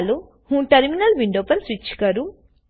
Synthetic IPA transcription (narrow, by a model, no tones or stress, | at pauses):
lu | hũːʈɐɾminɐlʋiɳɖoːpɐlsʋit͡ʃːkɐɾu